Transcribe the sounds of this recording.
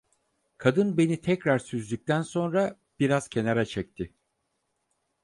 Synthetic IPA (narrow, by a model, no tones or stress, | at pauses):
kʰad̪ɯnbe̞nit̪ʰɛcɾaɾsyzlʲyc̚t̪ʰænso̞nɾa | b̥iɾaz̥cʰe̞naɾat͡ʃʰɛc̚t̪ʰɪ